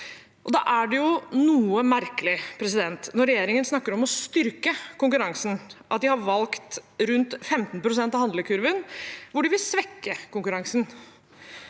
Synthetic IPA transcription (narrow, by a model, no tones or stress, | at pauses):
ʔɔd̪ɑ̰ːʔæɖɛjʊnuːəmæɾkəlɪpʰɾɛs̬ɪd̪ɛnt̪nɔɾɛjeːɾɪŋənsnɑkːəɾɔmɔst̪ʏɾkəkʊŋkʉɾɑŋsn̩ʔɑt̪̚d̪ɪhɑɾʋɑlkt̪ɾʉnt̪fɛmt̪npʰɾʊs̬ɛnt̪ɑʋhɑnd̪ləkʰʉɾʋənʋʊɖɪʋɪlsʋɛkːəkʊŋkʉɾɑŋsn̩